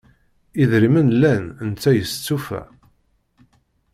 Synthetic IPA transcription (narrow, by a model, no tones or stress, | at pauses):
iðɾimənlænnt͡sːæjəst͡sːufæ̰